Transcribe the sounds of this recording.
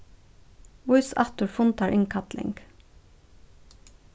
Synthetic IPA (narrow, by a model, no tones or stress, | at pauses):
wʊʏsɑ̰t̪ʊɹfʊnt̪ʰɑːɹʔɪŋkʰɑt̪lɪ̰ŋɡ̥